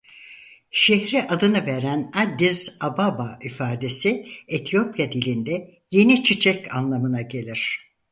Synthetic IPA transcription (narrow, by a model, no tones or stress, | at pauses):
ʃehɾiʔad̪ɯnɯveɾænad̪ːiz̥ababaifaːd̪e̞siet̪ʰijo̞pjad̪ilʲind̪ɛ | je̞nit͡ʃʰit͡ʃʰɛca̰nlˠamɯnaɟe̞lʲiɾ̥